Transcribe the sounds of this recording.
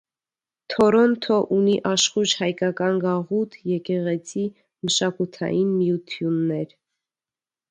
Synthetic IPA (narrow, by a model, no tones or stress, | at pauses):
t̪ʰɔɾɔnt̪ʰɔʔuniʔɑʃχut͡ʃhɑjkɑkɑnɡɑʁut̪ʰjɛkɛʁɛt͡sʰi | məʃɑkut̪ʰɑ̰jinmijut̪ʰjunːɛɾ